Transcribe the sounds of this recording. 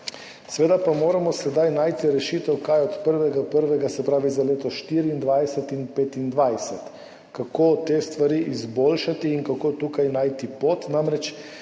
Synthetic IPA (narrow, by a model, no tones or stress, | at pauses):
sʋeːd̪apamoːɾamɔsɛd̪ajnaːjt̪iɾɛʃit̪ɛwkajɔt̪pəɾʋɛɡapəɾʋɛɡasɛpɾaːʋizaleːt̪ɔʃt̪iɾiːnd̪ʋajsɛt̪inpet̪ind̪ʋajsɛt̪ | kakʰot̪est̪ʋaɾiʔizboːlʃat̪iːŋkakot̪ukajnaːjt̪ipot̪namɾɛt͡ʃ